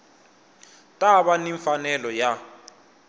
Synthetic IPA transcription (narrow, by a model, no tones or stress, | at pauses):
tʼaβaniɱfanɛlɔja